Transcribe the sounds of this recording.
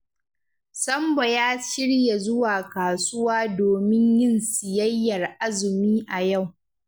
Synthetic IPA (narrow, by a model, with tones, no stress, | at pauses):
sɐ˦mbɐ˨jaː˦ʃɪ˦ɽja˨zʊ˦waː˨kaː˨sʊ˦waː˦doː˨mɪ˦ɲjɪ˦nsɪ˨jɐ˦jːɐ˨rʔa˦zɪ˨miː˦ʔa˨ja˦˨w